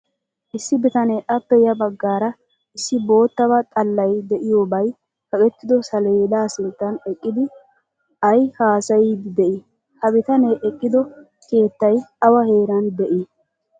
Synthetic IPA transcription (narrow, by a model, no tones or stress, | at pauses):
ʔɪsːɪbɪt̪ɐneʔɐpːɛjɐbɐɡːaːɾɐ | ɪsːɪbo̞ːt̪ːɐβɐt̪ʼɐlːɐjd̪ɛʔɪjoːbɐj | kɐkʼɛt̪ːɪd̪ɔsɐleːd̪aːsɪnt̪ːɐnɛkʼːɪd̪ɪ | ɐjhaːsɐjiːd̪ɪd̪ɛʔɪ | hɐbɪt̪ɐneːʔɛkʼːɪd̪ɔ | ke̞ːt̪ːɐjɐwɐhe̞ːɾɐnd̪ɛʔi